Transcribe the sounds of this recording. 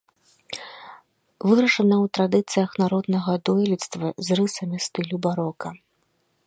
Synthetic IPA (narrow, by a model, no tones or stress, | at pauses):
vɨɾɐʂɐnɐwt̪ɾad̪ɨt̪sɨjɐxnaɾɔd̪nɐɣɐd̪ɔjlʲit̪st̪vɐzrɨsɐmʲist̪ɨlʲubaɾɔkɐ